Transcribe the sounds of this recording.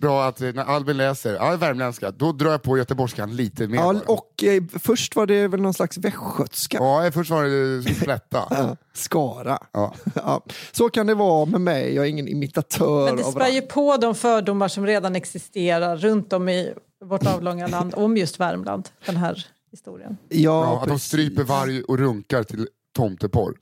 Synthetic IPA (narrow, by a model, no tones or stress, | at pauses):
bɾɑːat̪næɾʔalbənlɛːsəɾa̰væɾmlɛnskad̪ɔd̪ɾɑːjapʰɔjœt̪əbɔʂkanliːt̪ʰəmeːɑɔkfœʂʈvaɖɛvɛlnɔnslaksvɛkɧœt̪skaɛfœʂʈvaɾɛslɛt̪ʰːa̰skɑːɾa̰ɑ̰ːsokand̪ɛvɑːmɛmɛ̰jjɑːɡɛɾɪŋːənɪ̰mɪt̪at̪ʰœːɛɾɛasvpɛljɵpʰɔd̪ɔmfœːɖʊmːaʂɔmɾeːd̪anɛksɪst̪eːɾaɾːɵnt̪ɔmɪ | voʈɑːvlɔŋːaland̪ɔmjɵst̪væɾmla̰nd̪d̥̪ɛnɦæːɾ | hɪst̪ṵːɾɪ̰ə̰njɑːt̪d̪ɔmst̪ɾyːpəɾvaɾjəʔɔɾɵŋkaɾt̪ʰɪl | t̪ʰɔmt̪əpʰɔ̰ɾ